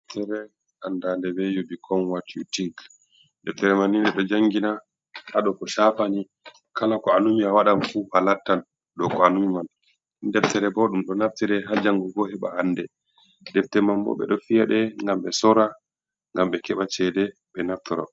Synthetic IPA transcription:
ɛtɛɾɛ | handandɛbɛjubikʰɔnwatutiɡ | dɛftɛɾɛmanːindɛɗɔd͡ʒaŋɡina | haɗɔkɔʃafani | kalakɔanumiawaɗamfuhalatːan | ɗɔkɔanumiman | ndɛftɛɾɛbɔɗumɗɔnaftɛɾɛɦad͡ʒaŋɡɔɡɔhɛɓa̰andɛ | ɗɛftɛmanbɔ̰ɓɛ̰ɗɔfijaɗɛŋɡamɓɛsɔɾa | ŋɡamɓɛkɛɓat͡ʃɛdɛ | ɓɛnaftɔɾɔ̰

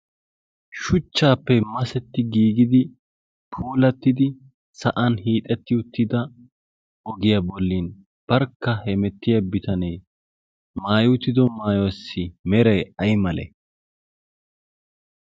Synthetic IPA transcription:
ʃʊt͡ʃːaːpːɛmɐsɛt̪ːɪɡiːɡɪd̪ɪ | pʰuːlɐt̪ːɪd̪ɪ | sɐʔɐnhiːt̪ʼɛt̪ːɪʊt̪ːɪd̪ɐ | ɔɡɪjabɔlːin | b̥ɐɾkːɐhɛmɛt̪ːɪjɐbɪt̪ɐnɛj | maːjʊt̪ːɪd̪ɔmaːjwɐsːɪmɛɾɐjɐjmɐlɛ̰

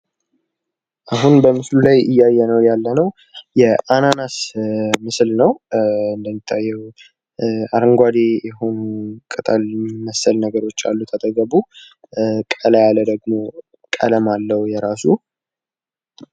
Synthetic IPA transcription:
ʔaɦunbəmɨslulajɨjːajːɛnəwjalːənəw | jɛʔananasmɨslnəwɨnd̪əmːit̪ʰːajːɛw | aɾɨŋɡʷad̪ejɛɦonkʼət̪ʼalməsːəlnəɡəɾo̞t͡ʃːa̰lːut̪ʰət̪ʼəɡəbu | kʼəlajaləd̪əɡmo̞ | kʼə̰ləmalːəwjɛɾasu

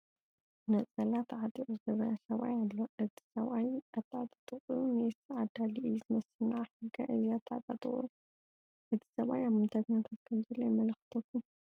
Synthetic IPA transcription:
nɐt͡sʼɐlat̪ʰʕat̪ʼiʔʼuzɨɡɐβɐɾasɐβʔa̰jalːoʔɨt̪ʰi̥sɐβʔajʔat̪ʰːat̪ʼḁt̪ʼɨχʼujumetiʕad̪aliʔɨjuzɨmɐsɨnaʕaħɨɡːɐʔɨjiat̪ʰːa̰t̪ʼat̪ʼɨ̰χʼuu | ʔɨt̪ʰi̥sɐβʔa̰jaβmɨd̪ʰaɡɲat̪ʰat̪̚kʰɐmzɐlːojmɐlxɨ̥t̪ʰɐkʰːum

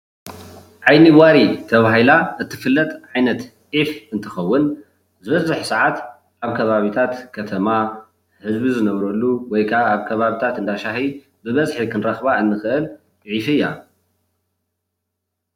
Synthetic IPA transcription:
ʕajniwaɾit̪ʰɐβaɦilaʔɨt̪ʰːɨ̥fɨlːɐt̪ʼʕajnɐt̪ | ʔifɨnt̪ʰɨxɐwːʊn | zɨβɐzɨħsaʕat̪ | ʔaβkʰɐβaβit̪ʰat̪kʰɐt̪ʰɐma | hɨzbizɨnɐβɾɐlːuwɔjkʰaːβkʰɐβaβit̪ʰat̪ɨnd̪aʃahi | bɨβɐzħikʰɨnɾɐxβaɨnːɨxɨʔɨlʼ | ʕifɨjːa

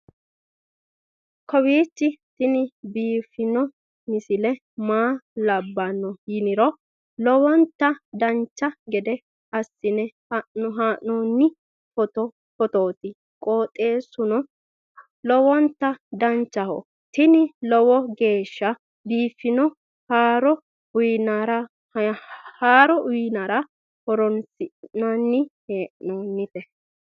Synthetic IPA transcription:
kʰɔwiːt͡ʃːɪt̪ɪnɪbiːfːɪnɔ | mɪsɪlɛ | maːlɐbːɐnːɔhɪnɪɾɔ | lɔwɔnt̪ːɐd̪ɐnt͡ʃːɐɡɛd̪ɛ | ɐsːɪnɛhanɔɦaːʔnɔːnːɪ | hɔt̪ɔ | fɔt̪oːt̪ɪ | kʼoːt̪ʼe̞ːsʊnɔ | lɔwɔnt̪ːɐd̪ɐnt͡ʃːɐhɔ̰ | t̪ɪnɪlɔwɔɡe̞ːʃːɐ | biːfːɪnɔ | haːɾɔ | ʊjnaɾɐ | haːɾɔʔʊjɪnaɾɐ | hɔɾɔnsɪnanːɪheːʔnoːnːɪt̪ɛ

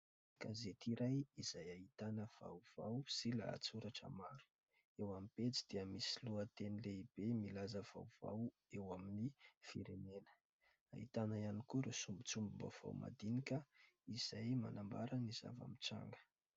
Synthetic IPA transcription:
ɡ̥azet̪iɾajiz̥ajaɦit̪anəv̥a̰wv̥awsila̰t͡suɾaʈ͡ʂə̰maɾu̥ | ewamipet͡si̥d̪̥iəmisiluət̪enileib̥emilazəv̥a̰wv̥a̰w | ewaminifiɾenenə̥ | a̰ɦit̪anəjanikuɾesumbut͡sumbumba̰v̥a̰wma̰d̪inikʲə | iz̥ajma̰nambaɾaniz̥a̰va̰mit͡sa̰ŋɡə̥

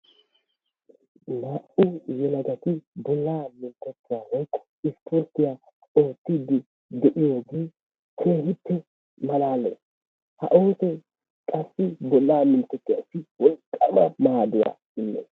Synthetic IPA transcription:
naːʔʊjɛlɐɡɐt̪ɪbɔlːaːmɪnt̪ːɔt̪ːɪjaːlɐjkʼːɔ̥ | ɪspʰʊɾt̪ːɪjaː | o̞ːt̪ːid̪ɪ | d̪ɛʔɪjo̞ːɡeː | kʰeːhɪtːɛ | mɐlaːlːɛ̰ | hɐ̰ʔoːt̪ɛ | kʼɐsːɪbɔlːaːmɪnt̪ːɔt̪ːɪja̰sɪwɔlkʼːɐmɐmaːd̪ʊwa̰ː | ɪnːɛ̰

